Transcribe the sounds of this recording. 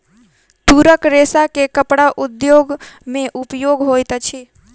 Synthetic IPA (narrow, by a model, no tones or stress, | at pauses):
t̪uɾəkɾesakekəpɽaʔud̪joɡmẽʔupjoɡɦojt̪t͡ʃʰi